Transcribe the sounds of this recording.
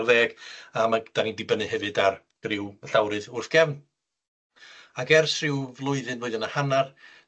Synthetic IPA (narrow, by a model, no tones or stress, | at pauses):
rðeːɡ̥amad̥anindɪbənɨhɛvɨdar | ɡ̥rɪwməɬawɾɨðʊrθɡ̥ɛvn | aɡɛrsrɪwvlˠʊɨðɨnvʊːɨðənḁhanar